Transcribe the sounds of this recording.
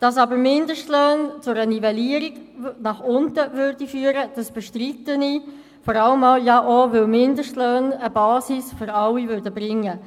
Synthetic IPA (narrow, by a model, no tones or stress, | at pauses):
d̥ɑsɑbəɾmɪndəʃtløːnt͡sʊɾənivɛliəɾiɡnɑχʊntəvʏɾd̥ifyːəɾəd̥ɑsb̥ɛʃtritəni | fɔɾɑləmɑljɑʔovɪlmɪndəʃtløːnəbɑːsisføɾɑwːivʏɾdəbɾɪŋːə